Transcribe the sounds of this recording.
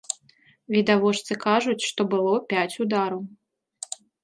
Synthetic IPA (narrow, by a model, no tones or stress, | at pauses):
vʲid̪avɔʂt̪sɨkaʐut͡sʲʂt̪ɔbɨlˠɔpʲat͡sʲud̪aɾɐw